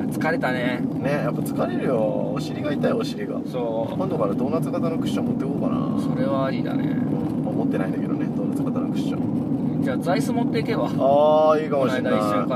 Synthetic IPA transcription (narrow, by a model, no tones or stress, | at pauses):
t͡sɨ̥kaɾe̞t̪anene̞japːat͡sɨ̥kaɾeɾɯ̟jo̰ | oɕiɾʲiɡait̪aioɕiɾʲiɡa̰soː | kond̪okaɾad̪o̞nːat͡sɨkat̪anokɯ̟ɕɕõmot̪ːekoːkana̰so̞ɾe̞βaːɾʲid̪a̰nḛmo̰ | mamot̪ːe̞naĩnd̪ake̞d̪o̰ned̪onːat͡sɨ̥kat̪anokɯ̟̥ɕɕõ̰ | d͡ʑaːd͡zaisɨmot̪ːeike̞baaːiːkamonaid̪aisaka